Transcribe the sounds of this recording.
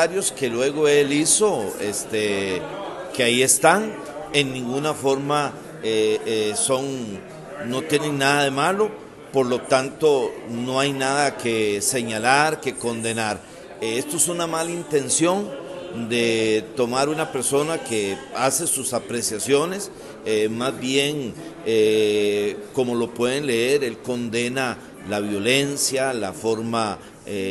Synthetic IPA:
aɾjo̞ske̞lwe̞ɣo̞e̞liso̞ḛst̪e | keaie̞st̪aŋ | e̞ŋːĩŋɡunafo̞ɾma | eso̞ŋ | no̞t̪je̞neŋnaðaðe̞malo̞ | po̞ɾlo̞t̪ant̪o̞no̞ajnaðakese̞ɲalaɾke̞ko̞nd̪e̞naɾ | est̪oesunamalint̪e̞nsjo̞nd̪e̞t̪o̞maɾunape̞ɾso̞nakease̞susapɾe̞sjasjo̞ne̞s | mazbjeŋe | ko̞mo̞lo̞pwe̞ðenle̞eɾe̞lko̞nd̪e̞na | laβjo̞le̞nsjalafo̞ɾma | e

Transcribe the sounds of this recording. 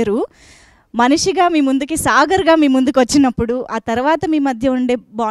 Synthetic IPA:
ɾu | mɐniʂiɡaːmiːmund̪ukisaːɡɐɾɡaːmiːmund̪ukʋɐt͡ʃːinɐpːuɽuʔaːt̪ɐɾuʋaːt̪ɐmiːmɐd̪ʱjɐuɳɖe̞ːbaː

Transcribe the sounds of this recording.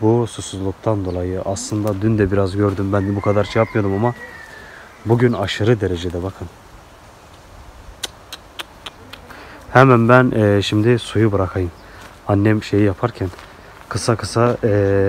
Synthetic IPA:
bususuzlˠuk̚t̪ʰand̪o̞lˠajɯʔaslˠɯnd̪ad̪ynd̪ɛbiɾazɟøɾd̪ymbænd̪ɛbukʰad̪aɾt͡ʃʰɯjapmɯjo̞d̪umama | buɟynaʃɯɾɯd̪e̞ɾed͡ʒed̪ɛbakʰɯn | hɛmænbænːʃimd̪ɪsujubɯɾakʰajɯm | anːɛmʃe̞jijapʰaɾcʰæn | kʰɯsakʰɯsa

